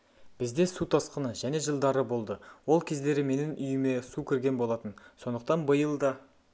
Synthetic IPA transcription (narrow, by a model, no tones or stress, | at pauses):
b̥ɪzd̪e̞sut̪ʰɑsqənəʒæne̞ʒəlˠd̪ɑɾəbo̞lˠd̪əwo̞lˠkʲʰe̞zd̪e̞ɾɪme̞nɪnʔʏjɪme̞sukʲʰɪɾɡʲe̞nbolˠɑt̪ənso̞nd̪əq̚t̪ɑnbəjəlˠd̪ɑ